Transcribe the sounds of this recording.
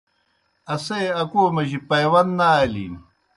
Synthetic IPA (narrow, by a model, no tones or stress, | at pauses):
ɐseɐkoːmɐʑipɐjwɐnd̪naːelḭːn